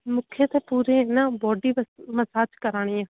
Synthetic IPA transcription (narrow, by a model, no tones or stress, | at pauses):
mʊkʰːjeːt̪eːpuːɾẽːnãːbɔːɖiːməsaːt͡ʃkəɾaːɽ̃iːjãː